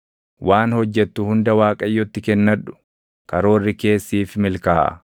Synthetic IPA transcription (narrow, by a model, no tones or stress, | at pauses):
wʔaːnhɔd͡ʒːɛt̪ːʊhʊnd̪ɐwaːkʼɐjːɔt̪ːɪkɛnːɐᶑʊ̥ | kɐɾo̞ːrːɪke̞ːsːiːfmɪlkaːʔɐ̰